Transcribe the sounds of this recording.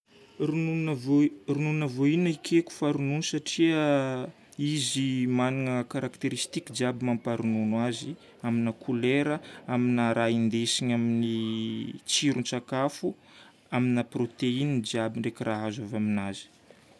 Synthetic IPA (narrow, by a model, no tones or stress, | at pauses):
runuvorununavoinəikʰeku̥faɾununsaʈ͡ʂiə | izimaniŋəkaɾakt̪eɾist̪ikid͡ʒiabimampaɾununwazi | aminakʰuleɾəaminaɾaind̪esiɲamini | t͡siɾunt͡sakafu | aminaprot̪eind͡ʒiabiɳɖ͡ʐekirʔaɦazavaminazi̥